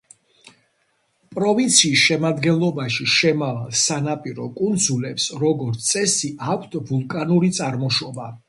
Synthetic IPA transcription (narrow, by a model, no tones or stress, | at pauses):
pʼɾɔvint̪sʰiːsʃɛmad̪ɡɛnlˠɔbaʃiʃɛmavalˠsanapʼiɾɔkʼund̪zulɛpsɾɔɡɔɾt̪ʰt̪sʼɛsiʔakʷʰt̪ʰvulˠkʼanuɾit̪sʼaɾmɔʃɔba